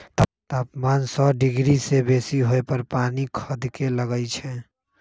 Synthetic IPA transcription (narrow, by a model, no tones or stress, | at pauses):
t̪t̪əpmansɔɖiɡɾisebesiɦoepəɾpanikʰəd̪keləɡəɪt͡ʃʰɛ